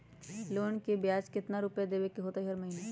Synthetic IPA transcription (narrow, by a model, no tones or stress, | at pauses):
loːnkebjaːd͡ʒkɪt̪naɾʊpjad̪eːbekeɦoːt̪aɦiɦɐɾmɐɦiːne